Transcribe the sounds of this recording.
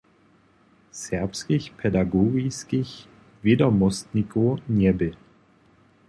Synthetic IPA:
sɛɐpskiçpʰɛdaɡoːɡiskiç | vjɛdɔmɔstnikoɲɛbɪ

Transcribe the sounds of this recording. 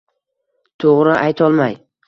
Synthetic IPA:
t̪ʰoʁɾɪʔajt̪ʰɒlˠmaj

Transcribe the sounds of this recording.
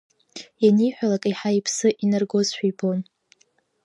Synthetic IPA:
anijħʷᶣalakʼiħaipʰsɨʔinarɡo̞zħʷᶣijbon

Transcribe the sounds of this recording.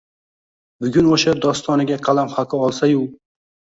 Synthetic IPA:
bʊɡʲʊnoʃad̪ɒst̪ɒnɪɡʲaqʰɑlˠamχaqʰɨɒlˠsajʊ

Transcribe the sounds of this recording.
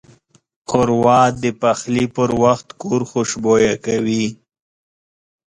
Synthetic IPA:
qʊɾwɑd̪əpaxlipəɾwaxt̪koɾxoʃbojakawi

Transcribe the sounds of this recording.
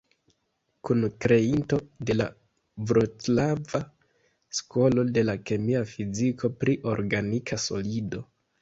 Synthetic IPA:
kunkɾe̞into̞de̞la | vɾotlava | sko̞lo̞de̞lake̞miafizikʰo̞pɾiʔo̞ɾɡanikʰaso̞̰lido̞

